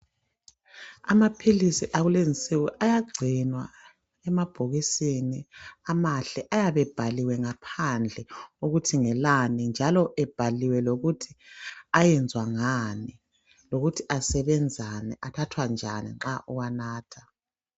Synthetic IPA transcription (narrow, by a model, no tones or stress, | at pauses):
a̰mapʰilisiʔaɣuleŋisʼiwiʔajaɡ͡ǀʱinwa | ɛmab̥ʱoɣisiniamaɬɛʔajaβɛb̥ʱaliwɛŋapʰand͡ɮʱɛoɣutʰiŋɛlanind͡ʒʱalɔʔɛb̥ʱaliwɛloɣutʰiajɛnd͡zʱwaŋani | loɣutʰiʔasɛβɛnd͡zʱanɛʔatʰatʰwand͡ʒʱa̰nḭŋ͡ǁaʔuɣwanaːtʰḁ